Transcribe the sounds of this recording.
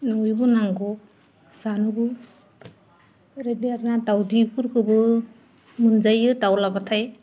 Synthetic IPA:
nɔjbɯnaŋɡɔ | sanubɯ | ɾadiaɾnadawdipʰuɾkʰɯbɯ | mɯnd͡ʒajɯtawlabatʰaj

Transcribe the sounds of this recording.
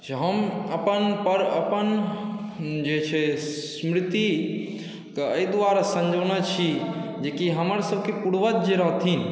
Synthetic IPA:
t͡ʃɦəməpənpəɾəpən | d͡ʒet͡ʃʰɛssmɾɪt̪i | kəəid̪ʋaɾasə̃nd͡ʒʱəñət͡ʃʰid͡ʒekiɦəməɾsəb̚ʱkepuɽʋət̪̚d͡ʒeɾəɦt̪ʰin

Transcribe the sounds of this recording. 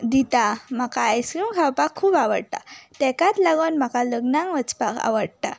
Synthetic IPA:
d̪it̪amakaəjsɾuŋkʰawpakʰːuːbaʋə̰ɽt̪a̰t̪ɛkat̪laɡonmakaləɡnãŋɡʋət͡spaka̰ʋəɽt̪a̰

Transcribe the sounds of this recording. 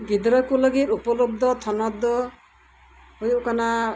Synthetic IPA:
ɡid̪ɾɔkulɔɡiɾupɔlob̚d̪ʱɔt̪ʰɔnɔd̪ʱɔ | ɦujukana

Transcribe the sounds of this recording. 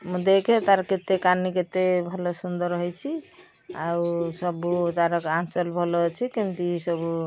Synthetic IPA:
mũd̪eket̪aɾket̪ekanːiket̪ebʱəlosund̪əɾɦojt͡ʃʰi | ausəbut̪aɾəkãnt͡ʃəlbʱəlɔt͡ʃʰikimk̪isəbu

